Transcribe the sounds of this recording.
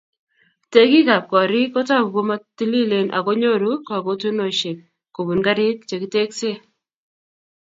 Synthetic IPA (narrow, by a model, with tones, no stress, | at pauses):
te˦ki˦ka˨p̚kɔ˨ɾɪ˦ko˦ta˦˨ku˨ko˦ma˦ti˦li˦le˨nʔa̰˨ko˦ɲo˦ɾu˦ka˨ko˦tu˦no˨ʃe˨p̚ | ko˨βu˨nɡa˦ɾɪ˦t̚t͡ʃe˨ki˦te˦kse˦